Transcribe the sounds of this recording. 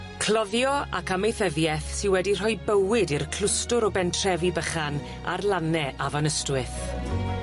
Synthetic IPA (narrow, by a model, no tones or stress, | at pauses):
kʰlˠɔðjɔa̰kʰamejθəðjɛθsɪnwɛdir̥ɔjbəwɪdirkʰl̥ˠʊstʊɾɔbɛntʰr̥ɛvibəχan | a̰rlˠanɛʔavɔnəstwɪθ